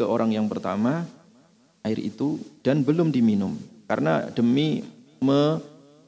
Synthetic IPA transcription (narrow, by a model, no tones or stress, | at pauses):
aʔoɾʔaŋjaŋpərt̪a̰ma | aɪrʔḭt̪ud̥anbəlʊmdiminʊmka̰ɾəna̰d̥əmi | mə